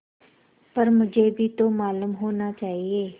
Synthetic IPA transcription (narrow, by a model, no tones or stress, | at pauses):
pəɾmʊd͡ʒʱeːbʱiːt̪oːmaːlʊmɦoːnaːt͡ʃaːɦieː